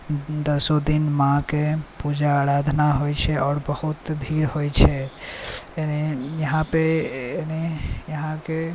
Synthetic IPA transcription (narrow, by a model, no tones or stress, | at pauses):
d̪əsod̪inmãkepud͡ʒaːɾad̪ʱnaɦojt͡ʃʰɛɔːɾbəhut̪bʱiɾɦojt͡ʃʰɛ | enejəɦãpenejəɦãke